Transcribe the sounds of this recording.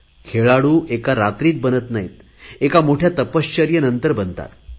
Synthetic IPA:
kʰeɭaɽuːʔekaɾat̪ɾiːt̪̚bənət̪najit̪ | ekamoʈʰjat̪əpəɕt͡ɕəɾjənənt̪əɾbənt̪a̰t̪

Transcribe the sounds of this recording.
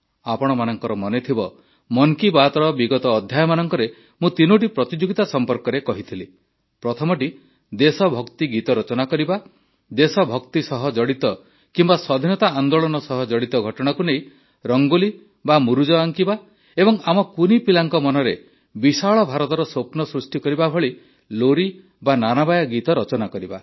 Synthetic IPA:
apɔɽ̃ɔmanɔŋkɔɾɔmɔnet̪ʰibɔ | mɔŋkibat̪ɔɾɔbiɡɔt̪ɔːd̪ʱjajɔmanɔŋkɔɾe | mũt̪inoʈ̬ipɾɔt̪id͡ʒoɡit̪asɔmpɔɾkɔɾekɔɦit̪ʰili | pɾɔt̪ʰɔmɔʈi | d̪esɔbʱɔkt̪iɡit̪ɔɾɔt͡ʃɔnakɔɾiba | d̪esɔbʱɔkt̪isɔɦɔd͡ʒɔɽit̪ɔ | kimbasɔd̪ʱinɔt̪aand̪oɭɔnɔsɔɦɔd͡ʒɔɽit̪ɔɡʱɔʈɔɽ̃akunej | ɾɔŋɡuli | bamuɾud͡ʒɔaŋkiba | ebɔŋamɔkunipilaŋkɔmɔnɔɾe | bisaɭɔbʱaɾɔt̪ɔɾɔswopnɔsɾusʈikɔɾibabʱɔɭi | loɾi | bananabajaɡit̪ɔɾɔt͡ʃɔnakɔɾiba

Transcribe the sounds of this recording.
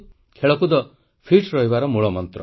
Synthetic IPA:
kʰeɭɔkud̪ɔ | pʰiʈɾɔɦibaɾɔmuɭɔmɔnt̪ɾɔ

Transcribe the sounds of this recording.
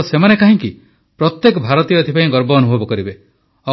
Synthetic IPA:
semanekaɦĩŋki | pɾɔt̪jekɔbʱaɾɔt̪ijɔt̪ʰipaĩɡɔɾbɔːnubʱɔbɔkɔɾibe | ɔ

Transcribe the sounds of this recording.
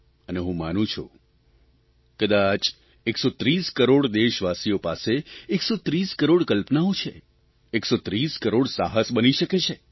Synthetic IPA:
əneɦũmanũt͡ʃʰṵ | kəd̪at͡ʃ | eksot̪ɾiskəɾoɽd̪eʃʋasiopaseːksot̪ɾiskəɾoɽkəlpnaot͡ʃʰe | eksot̪ɾiskəɾoɽsaɦəsbəniʃəket͡ʃʰe

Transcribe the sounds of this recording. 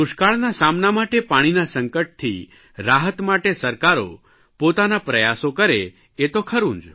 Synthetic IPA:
ʊʃkaɭnasamnamaʈepaɽ̃inasəŋkəʈ̚t̪ʰi | ɾaɦət̪maʈesəɾkaɾo̰ | pot̪anapɾəjasokəɾe | et̪okʰəɾũnd͡ʒ

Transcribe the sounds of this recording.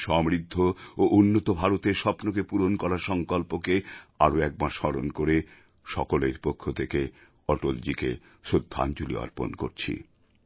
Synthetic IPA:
ʃɔmɾid̪ʱːooʔunːot̪obʱaɾot̪eɾʃɔpnokepuɾonkɔɾaɾʃɔŋkɔlpokeaɾoɛk̚baʃɔɾonkoɾe | ʃɔkoleɾpokʰːot̪ʰeke | ɔʈold͡ʑike | ʃod̪ʱːa̰nd͡ʑulḭɔ̰ɾpo̰nko̰ɾt͡ɕʰḭ

